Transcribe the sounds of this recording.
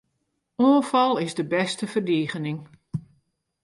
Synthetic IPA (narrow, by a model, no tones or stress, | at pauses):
oːfɑlˠɪzdəbɛstəfərdiːɣənɪŋ